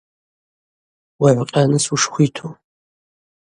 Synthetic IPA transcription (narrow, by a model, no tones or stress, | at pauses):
wɐʕʷʊqʲʼɐnɨswuʂχʷiːtʰoː